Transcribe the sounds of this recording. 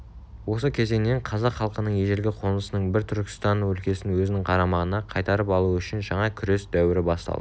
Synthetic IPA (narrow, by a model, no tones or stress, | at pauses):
wo̞səkʲʰe̞ze̞ŋne̞ɴqʰɑzɑqχɑlˠqənəɴje̞ʒelɡʲɪqʰo̞nəsənəɴbɪɾt̪ʰʏɾkʲɪ̥st̪ɑnwɵlkʲe̞sɪnwɵzɪnɪŋqʰɑɾɑmɑʁənɑqʰɑjt̪ɑɾəpɑlˠuʏʃɪnʒɑɴɑkʲʰʏɾe̞sd̪æwɪɾɪbɑst̪ɑ̰d̪ə